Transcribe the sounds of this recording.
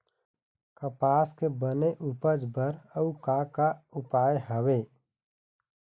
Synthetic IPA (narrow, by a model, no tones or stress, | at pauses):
kəpaːskebəneʔupəd͡ʒbəɾəukakaʊpaːeɦəweː